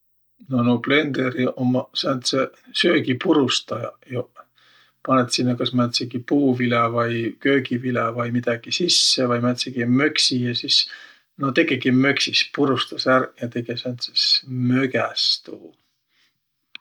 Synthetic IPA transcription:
nonople̞nd̪eɾiʔomːɑsænt̪sesø̞ːɡipuɾust̪ɑjɑ̰jo | pɑnet̪sinːɑkɑsmæt̪seɡ̥ipuːvilevɑjkø̞ːɡivilevɑjmid̪̥ɑɡ̥isisːevɑjmæt̪ʲseɡ̥imøksijɑsis | not̪e̞ɡeɡ̥imø̞ksispuɾust̪ɑsærjɑt̪e̞ɡ̥esɑnt̪si̥smøɡæst̪uː

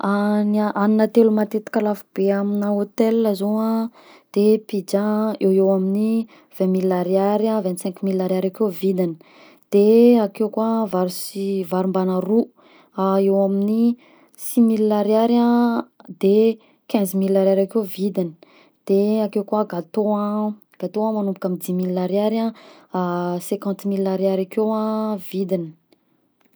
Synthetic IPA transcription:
anaʔaninət̪elumat̪et̪i̥kʲəlafub̥eaminaot̪elːəzoã | d̪̥epid͡ʒaewewamini | v̥ɛ̃milːaɾiaɾãvɛnt̪sɛ̃ŋkumilːaɾaɾakewvid̪inə | d̪̥eakewkavaɾsivaɾumbanaru | aewamini | similːaɾaɾãd̪e | kɛ̃zmilːaɾaɾakevid̪ini̥ | d̪̥eakewkuaɡat̪oã | ɡ̥at̪oãmanumpukamid̪imilːaɾjaɾã | sɛ̃kɑ̃nt̪milːaɾiaɾakewãvid̪ini̥

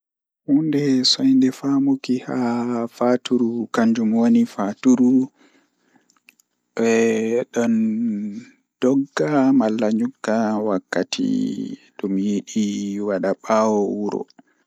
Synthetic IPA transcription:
hundɛsɔjndɛfamokihafatuɾukaɲd͡ʒumwonifatuɾu | ɓɛɗɔn | d̥ɔɡːamalːaɲuɡːawakːatʰḭɗumjiɗiwaɗaɓawɔwuɾɔ̰

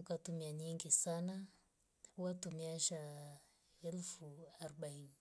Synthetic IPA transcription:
ukatumiaɲiŋɡisana | uwatumiaʃa | ɛlfuaɾɔɓaini

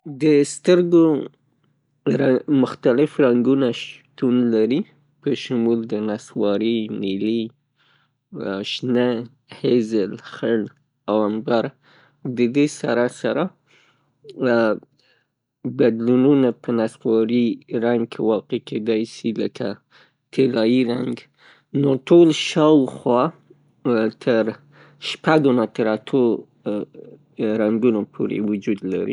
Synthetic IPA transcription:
d̪əst̪əɾɡo | ɾamʊxt̪alɪfɾaŋɡunaʃt̪unlaɾi | pəʃʊmuld̪ənaswɑɾinili | ʃnə | hezəlxəɽ | awambaɾ | d̪əd̪esaɾasaɾa | bad̪lununapənaswɑɾiɾaŋɡ̚kʰewɑqekʰed̪ɑjʃiləkʰa | t̪ʰelɑjiɾaŋɡ | noʈʰolʃɑwxwɑ | t̪ʰəɾ | ʃpaɡonat̪əɾat̪ʰo | ɾaŋɡunopʰoɾḛwʊd͡ʒud̪la̰ɾḭ

